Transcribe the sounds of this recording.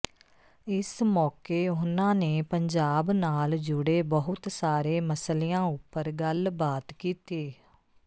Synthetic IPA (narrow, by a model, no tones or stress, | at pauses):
ɪsmɔːkeːʊnãːneːpəɲd͡ʒaːbnaːld͡ʒʊɽeːbəɦʊt̪saːɾeːməslijãːʊpːəɾɡəlbaːt̪kiːt̪iː